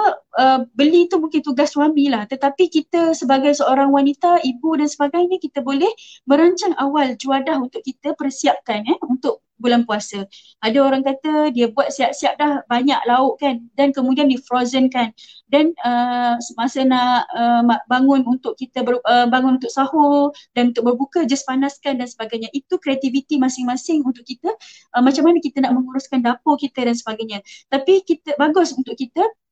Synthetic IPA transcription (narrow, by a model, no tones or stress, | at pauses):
əbəlit̪umũŋkɪnt̪uɡasːwamĩlaht̪ət̪apikit̪əsəbaɡajsəoɾaŋwanit̪aibudansəbaɡajɲəkit̪əbolɛhmə̃ɾaɲt͡ʃaŋawald͡ʒuadaɦunt̪ʊʔkit̪əpərsiap̚kanaunt̪ʊʔ̚ | bulanpuasə | adaoɾaŋkat̪ədiəbuat̪̚siaʔ̚siap̚dahbaɲaʔlaʊʔkandankəmudiandifɾozənkandanəsəmasənaʔəmbaŋʊnunt̪ʊʔkːit̪əbəəbaŋʊ̃nunt̪ʊʔ̚sahodanunt̪ʊk̚bərbukəd͡ʒaspanaskandansəbaɡajɲãʔit̪ukɾeat̪ivit̪imasɪŋmãsɪŋunt̪ʊʔkit̪ə | ʔəmat͡ʃamːanəkit̪ənaʔmə̃ŋuɾʊskandapʊkit̪ədansəbaɡajɲãt̪apikit̪əbaɡʊsunt̪ʊʔkit̪ə